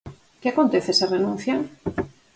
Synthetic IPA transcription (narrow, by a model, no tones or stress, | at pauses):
kɪakont̪eθesarenũn̟θja